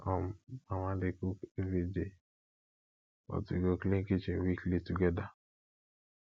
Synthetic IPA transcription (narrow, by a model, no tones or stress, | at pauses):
ɔmamadɪkukevide | ɔ̰tiɡokliŋkit͡ʃewiklituɡɛda